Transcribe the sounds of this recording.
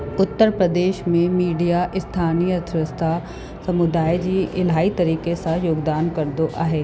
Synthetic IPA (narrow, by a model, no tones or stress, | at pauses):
ʊt̪ːəɾpɾɐd̪eːʃmẽmiːɖijaʔɪst̪ʰaːnijət̪ɾɪst̪ʰa | sɐmʊd̪aːed͡ʑiːɪlɦaːit̪ɐɾiːkesãjoːɡd̪aːnkɐɾd̪oʔa̰ːɦeː